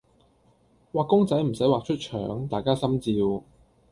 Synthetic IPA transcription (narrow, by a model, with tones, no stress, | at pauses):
waː˨kːʊ˥ŋt͡sɐ˨˥jm̩˨˩sɐ˨˥jwaː˨k̚t͡ʃʰɵ˥t̚t͡ʃʰœ̰ː˨˥ŋt̪aː˨jkaː˥sɐ˥mt͡siː˧w